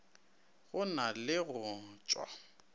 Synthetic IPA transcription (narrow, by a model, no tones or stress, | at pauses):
ɣʊnalɪɣʊŋ̩t͡ʃʼwa̰